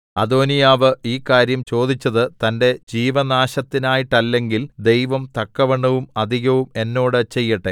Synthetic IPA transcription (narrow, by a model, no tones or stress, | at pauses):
ɐd̪o̞ːnijaːʋɨiːkaːɾjɐmt͡ɕo̞ːd̪ʱit͡ɕːɐðɨt̪ɐnde̞d͡ʑiːʋɐnaːɕɐt̪ːinaːjiʈːɐlːe̞ŋɡild̪e̞jʋɐmt̪ɐkːɐʋeɳɖɐʋumɐd̪ʱiɣɐʋume̞nːo̞ːɽɨt͡ɕe̞jːɐʈːe